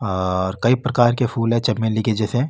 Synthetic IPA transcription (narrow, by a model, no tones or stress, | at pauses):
ɔːɾkɐipɾɐkaːɾkefʰuːlɦɛt͡ʃɐmːẽnliked͡ʒɛːseɦɛ̃